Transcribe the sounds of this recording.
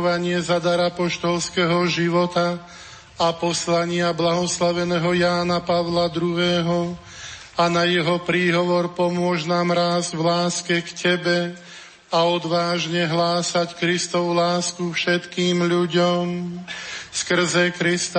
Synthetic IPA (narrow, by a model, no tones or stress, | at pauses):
ʋaɲɪɛzad̪aɾapɔʃt̪ɔlskɛɦɔʒiʋɔt̪a | apɔslaɲɪablaɦɔslaʋɛnɛːɦɔjaːnapaʋlad̪ɾuɦɛːɦɔ | anajɛɦɔpɾiːɦɔʋɔɾpɔmʊɔʒnaːmɾaːzʋlaːskɛkcʰɛbɛ | aɔd̪ʋaːʒɲɛɦlaːsackɾist̪ɔʋulaːskufʃɛt̪kiːmʎuɟɔm | skr̩zɛkɾist̪